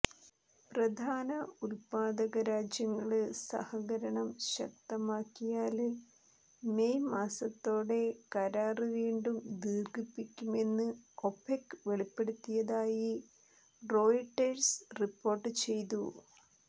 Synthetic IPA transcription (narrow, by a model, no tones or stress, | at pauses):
prɐd̪ʱaːnɐulpaːd̪ɐɣɐɾaːd͡ʑjɐŋːɐɭɨsɐ̰hɐɣɐɾɐɳɐmɕɐ̰k̚t̪ɐmaːkːijaːl | mejmaːsɐt̪ːo̞ːɽe̞kɐɾaːrɨʋiːɳɖumd̪iːrɡipːikʲːume̞nːɨo̞pʰekːʋe̞ɭipːe̞ɽut̪ːijɐðaːji | ro̞ːjʈːɐrsripːo̞ːrʈːɨt͡ɕe̞jt̪̬u